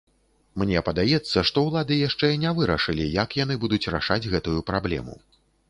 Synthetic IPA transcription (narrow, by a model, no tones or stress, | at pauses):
mnʲɛpɐd̪ajɛt̪sːɐʂt̪ɔwlˠad̪ɨjaʂt͡ʂɛnʲɛvɨɾɐʂɨlʲijɐkjanɨbud̪ut͡sʲra̰ʂad͡zʲɣɛt̪ujupɾablʲɛ̰mṵ